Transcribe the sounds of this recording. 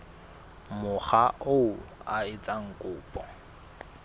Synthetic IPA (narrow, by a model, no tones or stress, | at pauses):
mʊχaʔoaɪt͡sʼaŋ̩kʼʊːpʼɔ